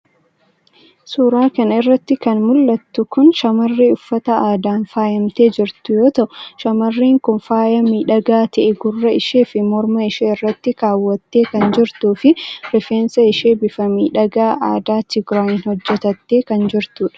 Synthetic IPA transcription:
suːɾaːkɐnɪrːɐt̪ːɪkɐnmʊlːɐt̪ːʊkʊnʃɐmɐrːiːʊfːɐt̪ɐaːd̪aːnfaːjɐmt̪e̞ːd͡ʒɪɾt̪ʊjo̞ːt̪ɐʔʊʃɐmɐrːiːŋkʊnfaːjɐmiːᶑɐɡaːt̪ɐʔɛɡʊrːɐɪʃeːfɪmɔɾmɐɪʃeːɪrːɐt̪ːɪkaːwːɐt̪ːeːkɐnd͡ʒɪɾt̪uːfɪɾɪfeːnsɐɪʃeːbɪfɐmiːᶑɐɡaːʔa̰ːd̪aːt̪ɪɡɾoːjɪnhɔd͡ʒːɛt̪ɐt̪ːe̞ːkɐnd͡ʒɪɾt̪uːᶑɐ̥

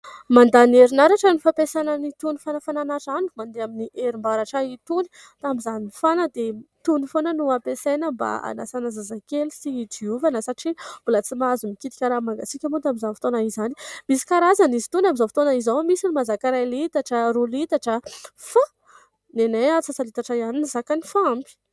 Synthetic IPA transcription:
mand̪aneɾinaɾaʈ͡ʂənifapesanənit̪unifanafananaʈ͡ʂanumand̪eaminiʔeɾimbaɾaʈ͡ʂait̪uni | t̪amizanifanəd̪et̪unifonənuapesenəmba̰a̰na̰sanazazakelisiidiuvanəsaʈ͡ʂib̥ulət͡simazumikʲit̪i̥kʲaɾamaŋɡasikʲamot̪ambizanfi̥t̪onaizani̥misi̥kaɾazanizi̥t̪unamizafi̥t̪onaizawmisinimazakaɾajlit̪aʈ͡ʂəɾulit̪aʈ͡ʂəfa | neneat͡sasalit̪aʈ͡ʂaianinizakanifambi̥

